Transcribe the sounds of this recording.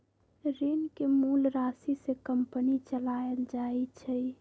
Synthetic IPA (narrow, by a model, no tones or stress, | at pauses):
ɾinkemulɾasisekəmpənit͡ʃəlaeld͡ʒajt͡ʃʰɛj